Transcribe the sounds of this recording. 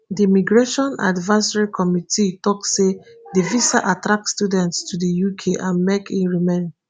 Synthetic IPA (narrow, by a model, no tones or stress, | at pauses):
diimiɡɹeʃɔ̃na̰dvasaɹikʰɔmitʰitɔksːedivisaʔatɹak̚studɛ̃ntstʰudijukʰeʔãnmɛkʰĩnɹimen